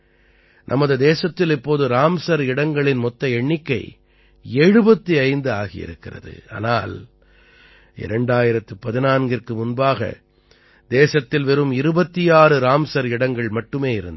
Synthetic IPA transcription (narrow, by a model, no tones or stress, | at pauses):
nʔɐ̰mɐðɯd̪eːsɐt̪ːɪlɪpːoːðɯɾaːmsɐɾɪɽɐŋɡɐɭɪnmɔt̪ːɐɛɳːɪkːɐɪ | eːɻɯbɐt̪ːiɐɪnd̪ɯaːɣɪ̰jɪ̰ɾɯ̰kːɪrɐ̰ðɯ̰a̰ːnaːl | ɪ̰ɾɛɳɖaːjɪɾɐt̪ːɯpɐðɪnaːnɡɪrkɯmʊnbaːɣɐ̰ | d̪eːsɐt̪ːɪlʋɛɾɯmɪɾɯbɐt̪ːɪjaːɾɯɾaːmsɐɾɪɽɐŋɡɐɭmɐʈːɯmeːɪɾɯnd̪